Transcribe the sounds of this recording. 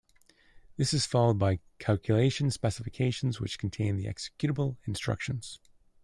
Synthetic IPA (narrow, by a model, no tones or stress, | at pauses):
ðɪsɨz̥fɑlˠoʊd̚baɪ | kʰælˠkʰjɨleɪʃɨ̃n̩spɛsəfɨkʰeɪʃn̩zwɨt͡ʃkʰn̩tʰẽɪ̃nðiʔɛ̰ksɛkjʉɾəbl̩ˠɨ̃nstɹ̥ʌ̰kʃɨ̃n̩z̥